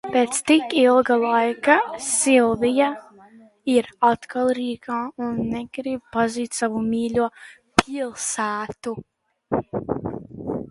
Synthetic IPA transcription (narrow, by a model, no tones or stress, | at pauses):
peːt̪st̪ikilˠɡalˠajkasilˠvija | iɾat̪kʰalˠɾiːkaːunːeɡ̥ɾib̚paziːt̪ʲsavumiːlʲuɔ | pʰilˠsæːt̪u